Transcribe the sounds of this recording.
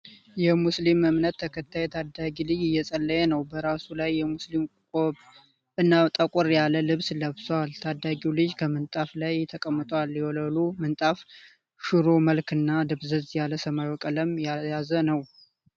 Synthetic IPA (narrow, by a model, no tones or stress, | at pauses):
jɛmuslimɨmnət̪ʰːəkʰət̪ʰːajɛt̪ʰad̪aɡilɨd͡ʒɪjːɛsʼəlːəjɛnəwbəɾasulajːɛmuslimkʼkʼoβ | ɨnːat̪ʼəkʼɔɾjaləlɨβsləβsowalt̪ʰad̪ːaɡilɨd͡ʒkʰəmɨnt̪ʼaflajt̪ʰəkʼəmːɨt̪ʼwalːjɛwɔləlumɨnt̪ʼaf | ʃuɾo̞məlkɨnːad̪ɨβzəzjaləsəmajwɔkʼələmjajazənəw